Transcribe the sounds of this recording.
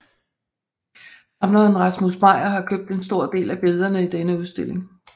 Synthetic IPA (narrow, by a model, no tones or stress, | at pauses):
ɑ̈mnɐnʁɑ̥̈smuðˠsm̥ɑ̈ɪ̰ɐɦɑ̈kʰøb̥̚d̥e̝nsd̥o̝ɐ̰d̥e̝̰ːlæb̥e̝ð̞ˠɐnəid̥enəuðˠsd̥e̝l̰e̝ŋ